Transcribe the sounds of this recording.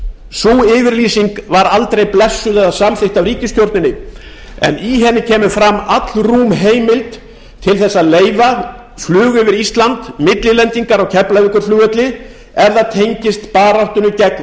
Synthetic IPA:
suɪːvɪɾliːsiŋkvaɾalt̪ɾejplɛsːʏðɛðasamθɪht̪avɾiːcɪst̪jowɾt̪nɪnɪ | ɛ̰niɦɛnːɪcʰɛːmʏfɾamːat̪lruːmɦeːjmɪlt̪ | t̪ʰːɪlθɛsːaðleːjva | flʏːɣʏvɪɾist̪lant̪mɪt̪lɪlɛnt̪iŋkaɾawcʰɛplajvɪkʏɾ̥flʏːɣœt̪lɪ | ɛɾðaðt̪ʰejɲcɪst̪paːɾaht̪ʏnʏcɛkn

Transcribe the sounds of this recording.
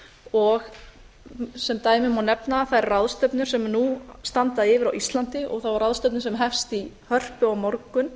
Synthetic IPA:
ɔɣ | sɛmt̪aːjmɪmawnɛpnaθaðɛɾraðst̪œpnʏɾ̥sɛmnust̪ant̪aðɪːvɪɾawʔist̪lant̪ɪʔɔ̰ɣθawvaɾraðst̪œpnɪɾsɛmɦɛfst̪i | hœr̥pʏawmɔɾkʏn

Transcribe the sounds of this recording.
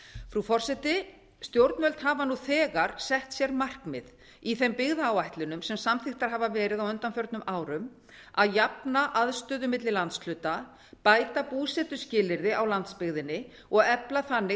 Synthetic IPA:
fɾufɔr̥sɛt̪ɪ | st̪jowɾt̪nvɛlt̪ɦaːvanuθɛːɣaɾ̥sɛht̪sjɛɾmar̥kmɪð | iθɛmpɪɣðaːwajht̪lɪnʏmsɛmsamθɪxt̪aɾ̥ɦaːvavɛːɾɪðawʏnt̪anfjœɾt̪nʏmʔaːwɾʏm | aðjapnaʔaðst̪œːðʏmɪt̪lɪlant̪sl̥ʏːt̪a | paːjt̪apuːsɛt̪ʏscɪːlɪɾðɪawlant̪spɪɣðɪnːɪ | ɔɣɛplaθanːɪ

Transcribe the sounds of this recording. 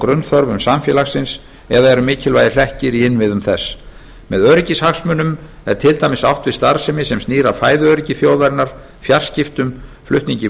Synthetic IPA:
kɾʏnθœɾvʏmsamfjɛːlaxsɪns | ɛðaɛɾʏmɪːcʰɪlvajðɪl̥ɛhcɪɾiɪnːvɪðʏmθɛsː | mɛðœɥɾɪcɪshaxsmʏnʏm | ɛɾ̥t̪ʰɪlt̪ajmɪsawht̪vɪst̪aɾ̥sɛmɪsɛmst̪iːɾafaːjðʏœɥɾɪcɪθjoːwðaɾɪnːaɾ̥ | fjar̥scɪft̪ʏm | flʏht̪niɲcɪ

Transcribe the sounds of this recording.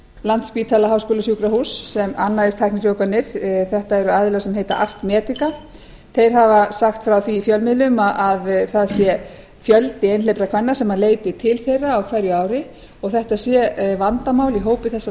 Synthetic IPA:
lant̪spiːt̪ʰaːlaɦaːwskoːlasjukɾahusːɛmanːaðɪst̪ʰajhknɪrjowkanːɪɾ̥θɛht̪aɛɾʏaːðɪlɛɣasɛmɦejt̪a̰ʔar̥t̪mɛːt̪ɪka | θejɾ̥ɦavasaxt̪fɾawθiːfjœlmɪðlʏmaʔaðθaðsjɛ | fjœlt̪ɪejnlejpɾakʰvanːḁsɛmːaleːjt̪ɪt̪ʰɪlθejraːwkʰvajɾjʏaːwɾɪ | ɔɣθɛht̪asjɛvant̪amaːwliɦoːwpɪθɛsːa

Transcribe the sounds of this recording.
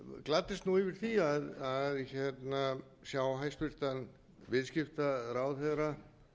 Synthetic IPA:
klat̪ːɪst̪nuivɪɾ̥θiaðaðɪjɛt̪na | sjawɦajst̪vɪɾ̥t̪an | vɪðskɪft̪aɾaːwθɛðɾa

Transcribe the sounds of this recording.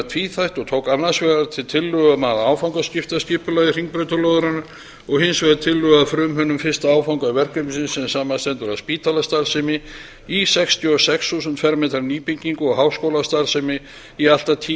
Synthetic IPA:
t̪ʰviθajht̪ɔɣt̪ʰowkanːasvɛːðaɾt̪ʰɪlt̪ʰɪlːʏɣamaðaːwfawŋkascɪft̪ascɪhpʏlajðɪriŋk̚pɾœɥt̪alɔðʏɾana | ɔɣhɪnsvɛðat̪ʰɪlːʏɣaðfɾʏmɦʏnːʏmfɪr̥st̪aaːwfawŋkavɛr̥kœmɪsɪnsɛnsaːmast̪ɛnt̪ʏɾaðspiːt̪ʰalast̪aɾsɪmɪ | isɛkst̪ʰjɔɔsɛksθus̬ʏnt̪fɛɾmɛːt̪aɾniːpiɲciŋkʏɔɣɦaːwskoːwlast̪aɾsɛmɪ | ial̥t̪at̪ʰiː

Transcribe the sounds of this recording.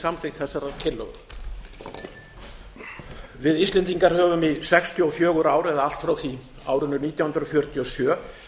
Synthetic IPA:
samθɪxt̪θɛsːaɾaɾcʰɪlːœ̰ɣ | vɪðist̪lɛnt̪iŋkaɾhœːvʏmisɛkst̪jʏɔfjœːɣʏɾaːwɾɛðaal̥t̪fɾawθi | aːwɾʏnːʏɾniːt̪jawhnɾɔfjœɾ̥t̪ʰiɔsjœː

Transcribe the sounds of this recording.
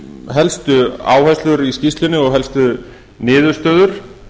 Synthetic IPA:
ɦɛlst̪ʏa̰ːwhast̪ʏɾiscist̪lɪnɪɔɣɦɛlst̪ʏ | nɪːðʏ̥st̪œːðʏɾ̥

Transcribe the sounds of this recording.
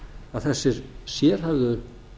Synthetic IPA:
aðθɛsːɪɾ̥sjɛɾ̥havðʏ

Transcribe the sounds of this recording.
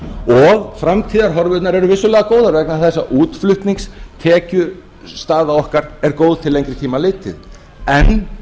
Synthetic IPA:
ɔɣfɾamt̪ʰiːðaɾɦɔɾvʏt̪naɾɛɾʏvɪsʏlɛːɣakoːwðaɾvɛknaθɛsːaʔuːt̪flʏht̪niŋkst̪ʰɛːcʏ | st̪aːðaɔhkaɾɛɾkoːwðt̪ʰɪlejŋkɾɪ̥t̪ʰiːmalɪːt̪ɪ̰ð | ɛn

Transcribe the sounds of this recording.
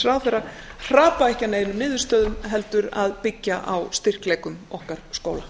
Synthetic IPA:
ɾawθɛrːa | haːpaɛhcaneːjnʏmnɪːðʏɾ̥st̪œːðʏmɦɛl̪t̪ʏɾaðpɪcːaʔawst̪ɪr̥klɛːkʏmɔhkaɾ̥skoːwla

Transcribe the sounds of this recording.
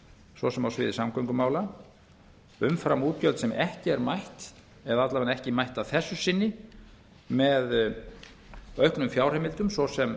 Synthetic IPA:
svɔsɛmawsvɪ̰ːðɪsamkœɥŋkʏmaːwla | ʏmfɾamuːt̪̚cœlt̪sɛmɛhcɪɛɾmajht̪ | ɛðat̪lavanɛhcɪmajht̪avθɛsːʏsɪnːɪ | mɛð | œɥhknʏmfjaːwr̥ɛmɪlt̪ʏmsvɔsɛm

